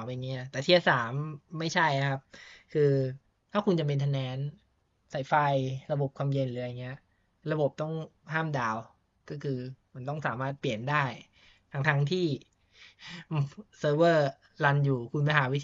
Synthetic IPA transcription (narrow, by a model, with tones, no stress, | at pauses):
wpa˧ŋi˦˥ɐt̪ɛː˨˩t̪ʰi˥˩a˧˩saː˩˦mːa˥˩jt͡ɕʰa˥˩ja˨˩kʰa˦˥p̚kʰɯː˧ | t̪ʰaː˥˩kʰu˧nt͡ɕa˨˩pe˧nt̪ʰa˧nɛː˨˦˥n | sa˨˩jfa˧jɾa˧bo˨˩p̚kʰwaː˧mje˧nlɯː˨˦ɾa˧˩ŋːi˦˥ɐ | ɾa˧bo˨˩p̚t̪ɔ˥˩ŋɦaː˥˩mdaː˧w | kɔː˥˩kʰɯː˧ma˧nt̪ɔ˥˩ŋsaː˩˦maː˥˩t̪̚pli˨˩əndaː˥˩j | t̪ʰa˦˥ŋt̪ʰa˦˥ŋt̪ʰiː˥˩ | sɤː˧bɤː˥˩ | la˧njuː˨˩kʰu˧nma˧ɦaː˩˦wi˦˥t̪ʰ